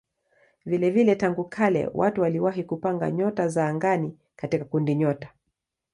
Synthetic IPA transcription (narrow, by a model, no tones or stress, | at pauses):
vilɛvilɛtaŋɡukʰalɛ̰watuwaliwaɦikupaŋɡa̰ɲɔtazaːŋɡani | katikakundiɲɔtḁ